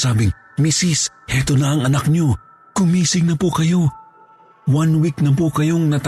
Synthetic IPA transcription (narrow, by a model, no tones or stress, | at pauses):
aːbɪŋ | misis | hɛːt̪onɐɐŋɐnak̚ɲo̞ | kʊŋmiːsɪŋnɐpukɐjo̞ | wanwiknɐp̬ukɐjoŋnɐt̪